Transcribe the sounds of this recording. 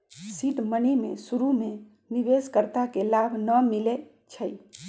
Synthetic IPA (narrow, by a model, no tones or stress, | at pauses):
siʈmənimesuɾume | bibeskəɾt̪akelabʱnəmile | t͡ʃʰəj